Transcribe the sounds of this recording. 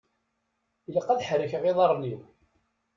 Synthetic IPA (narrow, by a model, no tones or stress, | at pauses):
iləqːæðħɾəçəʁeðˤɑɾˤniw